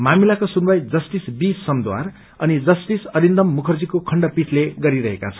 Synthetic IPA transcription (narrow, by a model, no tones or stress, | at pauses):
mamilakosunbajd͡zʌsʈisbisʌmd̪wa̰r | ʌnid͡zʌsʈisʌɾind̪ʌmːukʰʌrd͡zikokʰʌɳɖʌpit͡sʰleɡʌɾiɾʌɦeka̰t͡sʰʌn